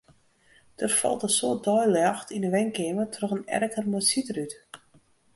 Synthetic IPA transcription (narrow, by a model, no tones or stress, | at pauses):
d̥ərfɔ̰lˠtəsoːt̚dɔjlɑxtʰinəʋɛŋkeːmətʰroxənɛ̰rkərmojsitəryt